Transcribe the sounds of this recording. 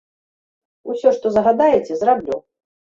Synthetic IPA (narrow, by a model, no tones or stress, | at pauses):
usʲɔʂt̪ɔzɐɣad̪ajɛt͡sʲɛzrablʲu